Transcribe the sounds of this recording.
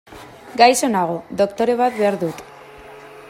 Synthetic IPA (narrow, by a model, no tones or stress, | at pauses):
ɡajso̞naɣ̞o̞ðo̞kt̪o̞ɾe̞βat̪βe̞aɾðut̪